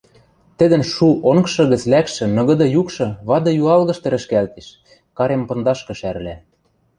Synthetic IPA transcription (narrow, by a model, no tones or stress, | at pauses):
t̪ɘ̆d̪ɘ̆nʃuʔoŋkʃɤ̆ɣə̆t͡slækʃɘ̆nɤ̆ɣɤ̆d̪ɤ̆jukʃɤ̆βɑd̪ɤ̆juɑlɣɤ̆ʃt̪ɤ̆ɾɘ̆ʃkælt̪eʃ | kɑɾempɤ̆nd̪ɑʃkɤ̆ʃæɾlæ